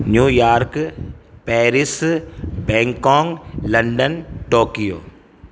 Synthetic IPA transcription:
njuːjaːɾkpɛːɾɪsbɛ̃ːŋkɔ̃ːŋlɐ̃ɳɖənʈoːkijo̰ː

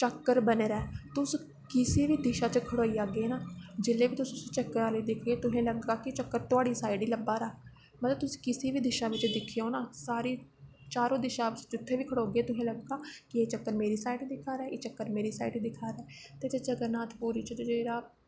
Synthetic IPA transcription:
t͡ʃəkːəɾbəneːɾɛːt̪ʊs | kɪsiːʋiːd̪ɪʃaːt͡ʃəkʰəɽoːiːaːɡeːnaːd͡ʒɪlːẽːʋiːt̪ʊssĩt͡ʃəkːəɾaːliːd̪ɪkʰɡeːt̪ʊɦẽːləɡɡaːkɪt͡ʃəkːəɾt̪ʊaːɽiːsaːɪɖiːləbːaːɾaː | mət̪ləb̚t̪ʊsĩ̥ːkɪsiːʋiːd̪ɪʃaːʋɪt͡ʃd̪ɪkʰːioːnaːsaːɾiː | t͡ʃaːɾõːd̪ɪʃaːd͡ʒʊt̪ʰːeːʋiːkʰəɽoːɡeeːt̪ʊɦẽːləɡɡaːkɪeːt͡ʃəkːəɾmeːɾiːsaːiɖiːd̪ɪkʰaːɾɛːeːt͡ʃəkːəɾmeːɾiːsaːiɖid̪ɪkʰaːɾɛːt̪eːt̪et͡ʃəɡəɾnaːt̪ʰpuːɾiːt͡ʃəd͡ʒd͡ʒeːɾaː

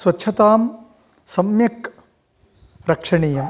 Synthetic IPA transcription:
swɐtːʃʰɐt̪aːm | sɐmjɐk | ɾɐkʂɐɳiːjɐm

